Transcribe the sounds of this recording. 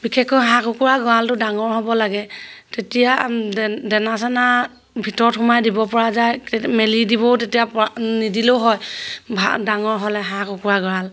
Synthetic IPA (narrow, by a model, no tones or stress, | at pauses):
b̥ikʰɛkːɔjɦãkukuɹaɡɔɹaltʊdaŋɔɹɦɔbɔlaɡɛtetija | dɛnasɛna | bʱitɔɹɔtxʊmajdibɔpɔɹazajmelidibɔtetijapɔnidiloʊɦɔjbʱa̰daŋɔɹɦɔlɛɦãkukuɹaɡɔɹal